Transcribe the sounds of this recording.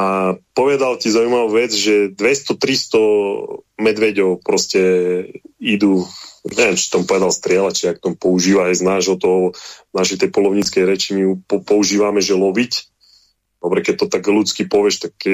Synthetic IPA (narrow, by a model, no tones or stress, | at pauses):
apɔʋɛd̪alcizaujmaʋuʋɛd͡zʒɛd̪ʋɛst̪ɔt̪ɾist̪ɔ | mɛd̪ʋɛɟɔʊpɾɔscɛ | id̪uɲɛʋjɛmt͡ʃi̥t̪ɔmupɔʋɛd̪alst̪ɾɪɛlat͡ʃɛak̚t̪ɔmpɔuʒiːʋaːjznaːʒɦɔt̪ɔɦɔznaʃɛjt̪ɛjpɔlɔʊɲit͡skɛjɾɛt͡ʃimiupɔpɔuʒiːʋamɛʒɛlɔʋic | d̪̥ɔbɾɛkɛc̚t̪ɔt̪aɡlut͡skipɔʋjɛʃt̪ak